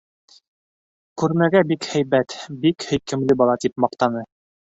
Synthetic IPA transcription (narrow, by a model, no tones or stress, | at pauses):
kʉɾmæɡæbikhæjβæt̪bikhɵ̆jkɘ̆mlɘbɑlˠɑt̪ipmɑqt̪ɑnɤ